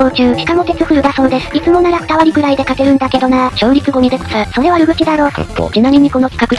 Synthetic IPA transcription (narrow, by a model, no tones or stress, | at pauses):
ko̞ːt͡ɕɨːkʲi̥kaŋo̞t̪e̞t͡sɨkɯ̟ɾɯ̟d̪aso̞ːd̪e̞sɨ̥it͡sɨmo̞naɾakɯ̥t̪aβaɾʲikɯ̟ɾaid̪e̞kak̪e̞ɾɯ̟̃nd̪ake̞d̪o̞nat͡ɕo̞ːɾʲikɨɡo̞ɲ̟id̪e̞kosaso̞ɾe̞β̞aɾɯ̟ɡɯ̟t͡ɕid̪aɾo̞ːd͡ʑinaɲʲiɲ̟ːiko̞no̞kʲi̥kakɯ̟